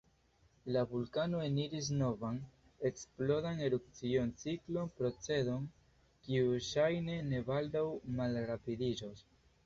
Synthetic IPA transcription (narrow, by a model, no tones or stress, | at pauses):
lavulkano̞eniɾis̬no̞van | e̞ksplo̞ɾane̞ɾup̚t͡sio̞nt͡siklo̞npɾo̞t͡se̞do̞n | kiuʃajne̞ne̞bald̪awmalɾapidid͡ʒos